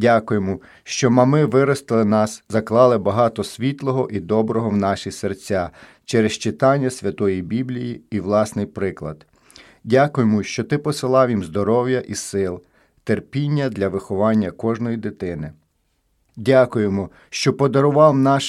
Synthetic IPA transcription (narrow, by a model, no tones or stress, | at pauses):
dʲakʊjemʊ | ʃt͡ʃɔmɐmɪʋɪɾɔst̪ɪlˠɪnɑszɐklˠɑlˠɪbɐɦɑt̪ɔsʲʋʲit̪lˠɔɦɔʔid̪ɔbɾɔɦɔwnɑʃisert͡sʲa | t͡ʃɛɾest͡ʃɪt̪ɑnʲːɐsʲʋʲɐt̪ɔjibʲiblʲijiiʋlˠɑsnɪjpɾɪklˠɐ̰d̪̥ | dʲakʊjemʊʃt͡ʃɔt̪ɪpɔsɪlˠɑwʲimzd̪ɔɾɔwjɐʔisɪlˠ | t̪erpʲinʲːɐd̪lʲɐʋɪxɔʋɑnʲːɐkɔʒnɔjid̪ɪt̪ɪnɪ | dʲakʊjemɔ | ʃt͡ʃɔpɔd̪ɔɾʊʋɑwnɑʃ